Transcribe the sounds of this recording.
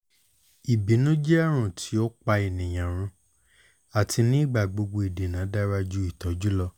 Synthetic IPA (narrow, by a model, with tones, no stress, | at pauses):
i˨bi˨˦nũ˦d͡ʒɛ˦a˦˨ɾ̃ũ˨tʰi˨˦o˦k͡pa˧i˨nĩ˨j̃ã˨ɾ̃ũ˧˦ | a˨tʰi˧nĩ˦i˦˨ɡ͡ba˨ɡ͡bo˧ɡ͡bo˧i˨de˨nã˨˦da˦ɾa˧d͡ʒu˦i˦˨tɔ˨˦d͡ʒu˦lɔ˧